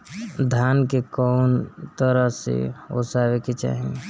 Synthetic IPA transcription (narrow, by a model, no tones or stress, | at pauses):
d̪ʱjaːnkekɔːnt̪əɾəɦsḛo̰saːʋeket͡ʃa̰ːɦẽ